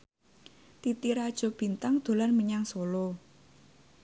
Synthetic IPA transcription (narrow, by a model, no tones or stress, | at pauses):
t̪it̪iɾad̥ʒ̥ɔ̤b̥i̤nt̪aŋd̪̥o̤lanməɲaŋsolo